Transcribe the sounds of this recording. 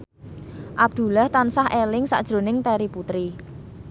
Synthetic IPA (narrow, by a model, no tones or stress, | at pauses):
ʔab̚d̪̥ṳlaht̪ansahelɪŋsa̰ʔd̥ʒ̥ɾo̤nɪŋt̪eɾiput̪ɾi